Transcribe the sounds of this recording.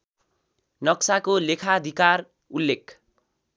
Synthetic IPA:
nʌksakolekʰaʌd̪ʱikar | ulːek

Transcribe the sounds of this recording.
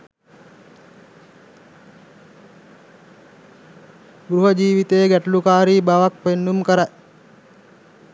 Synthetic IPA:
ɡɾuɦəd͡ʒiːʋit̪ejəɡæʈəlukaːɾiːbaʋak̚penːumkəɾa

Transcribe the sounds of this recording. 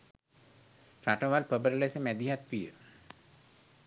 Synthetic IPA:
fɾaʈəʋalpəbəɾəlesəmæd̪iɦat̪ʋijə

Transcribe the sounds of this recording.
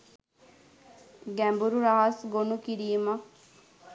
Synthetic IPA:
ɡæmbuɾuɾaɦasɡonukiɾiːmɐ

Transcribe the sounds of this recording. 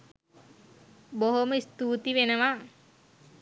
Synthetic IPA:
boɦoməist̪uːt̪iʋenəʋa

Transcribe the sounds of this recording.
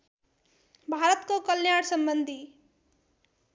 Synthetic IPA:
bʱaɾʌt̪kokʌlnjaɽsʌmbʌnd̪ʱi

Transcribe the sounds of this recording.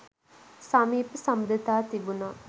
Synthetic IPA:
sɐmiːpəsɐmud̪it̪aːt̪ibunaː

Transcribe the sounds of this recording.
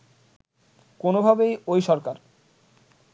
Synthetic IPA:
konobʱabejojʃɔɾkaɾ

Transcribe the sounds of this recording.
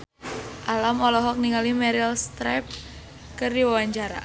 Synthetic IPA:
ʔalamɔlɔɦɔk̚niŋalimɛɾilst̪ɾap̚ | kərdiwawaɲt͡ʃaɾa̰

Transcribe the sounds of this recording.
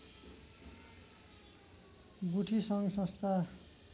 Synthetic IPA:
ɡuʈʰisʌŋsʌ̃st̪ʰa

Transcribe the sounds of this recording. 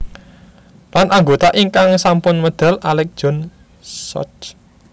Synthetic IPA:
lanʔaŋɡot̪aʔiŋkaŋsampʊnməd̪̥a̤lalɛk̚d̥ʒ̥ɔ̤n | sɔ̰t͡ʃ

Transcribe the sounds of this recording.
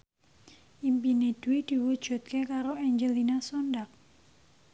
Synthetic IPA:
ʔimpined̥uwid̪̥i̤wud̥ʒ̥ṳt̪̚kekaɾoɛɲd͡ʒəlinasondak̚

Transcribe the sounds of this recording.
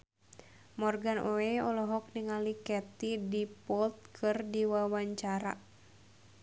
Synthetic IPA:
mɔrɡanʔoeɔlɔɦɔk̚niŋalikɛt̪idipɔlt̪̚kʰɨrdiwawaɲt͡ʃaɾa̰

